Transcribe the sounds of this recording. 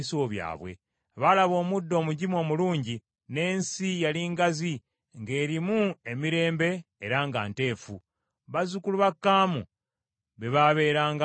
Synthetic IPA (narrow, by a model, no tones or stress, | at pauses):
soβja̰ːβwe̞̰ | βalaβo̞ːmudːo̞ːmuɟimo̞ːmuluːɲɟi | ne̞ːnsijaliŋɡazi | ŋɡe̞ːɾimue̞miɾe̞ːmbe̞ːɾaŋɡa̰ːnte̞ːfṵ | βazukuluβakːaːmṵ | βe̞βaβe̞ːɾaːŋɡa